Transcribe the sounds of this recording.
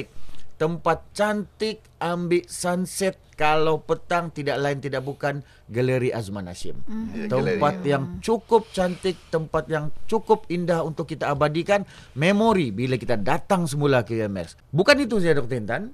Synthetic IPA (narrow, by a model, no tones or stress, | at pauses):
k̚t̪əmpat̪̚t͡ʃant̪ɪk̚ | ambɪʔsansɛt̪̚kalawpət̪aŋt̪idaʔlaɪnt̪idaʔ̚bukan | ɡələɾiʔazmana̰sɪ̰mt̪əmppat̪̚jaŋt͡ʃukʊp̚t͡ʃant̪ɪk̚t̪əmpat̪̚jaŋt͡ʃukʊp̚indahunt̪ʊkːit̪aːbadikan | memoɾibilakit̪adat̪aŋsəmulakəɛmɛ̰s | bukanit̪usajadɔk̚t̪int̪an